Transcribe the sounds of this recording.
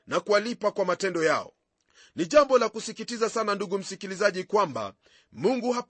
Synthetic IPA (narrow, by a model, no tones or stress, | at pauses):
nakualipakwamatɛndɔjaɔ̰ | niʄambɔlakusikitizasananduɠum̩sikilizaʄikwamba̰ | muŋɡuha